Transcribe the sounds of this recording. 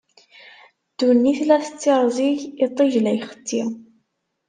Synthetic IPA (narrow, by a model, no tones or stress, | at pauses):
d̪̥unːiθlæθət͡sːiɾˤzˤiʝit̪ˤːiʒlæjχə̥t̪ːi